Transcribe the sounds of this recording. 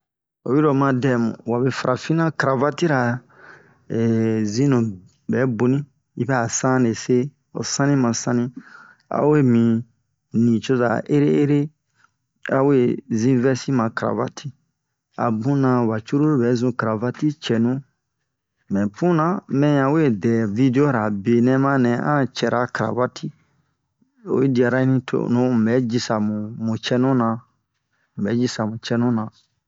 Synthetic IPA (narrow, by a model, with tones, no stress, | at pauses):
o̰˨wi˦ɾo˨mã˧dɛ˨mṵ̃˨wa˨be˨fa˨ɾʔa˨fĩ˦nã˦kɾa˨va˦ti˦ɾa˨ | zĩ˦nõ˨ | bɛ˨˦bo˨nĩ˦ | i˦bɛ˦a˨sã˦ne˨se˦ | o̰˨sã˦nĩ˦mã˨sã˦nĩ˦ | a̰˦we˦mĩ˨ | nĩ˨t͡ʃo˦za˨ʔe˦ɾe˦e˦ɾe˦ | a˦we˦zĩ˦vɛ˦si˦mã˨kɾa̰˨va̰˨tʰi˦ | a̰˨bũ˦nã˧wa˨t͡ʃu˦ɾu˦ɾo˦bɛ˨˦zũ˧kɾa˨va˦ti˦t͡ʃɛ˨nũ˦ | mɛ̃˨pũ˦nã˨mɛ̃˦jã˨we˦˨dɛ˨vi˦de˦o˦ɾa˨be˨nɛ̃˦mã˦nɛ̃˨ã̰˦˨t͡ʃɛ˨ɾa˦kaɾa̰˨va˦tʰi˦ | o̰˨˦i˦di˨a˨ɾa˦nĩ˦tʰo̰˨nõ˨˦˨bɛ˨˦d͡ʒi˧sa˨mũ˨mũ˨t͡ʃɛ˦nũ˦nã˨ | ũ˨bɛ˨˦d͡ʒi˦sa˨mũ˨t͡ʃɛ˧˦nũ˦nã˨